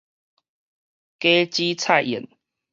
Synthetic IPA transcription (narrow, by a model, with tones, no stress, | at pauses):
ke˦t͡ɕi˦t͡sʰa˥˨jḭ˨˩n